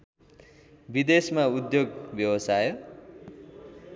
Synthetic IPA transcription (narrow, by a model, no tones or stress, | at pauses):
bid̪esmaud̪joɡbjʌwʌsajo